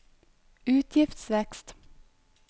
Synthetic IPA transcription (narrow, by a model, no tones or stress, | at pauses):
ʉːt̪ʰjɪft̪sʋɛkst̪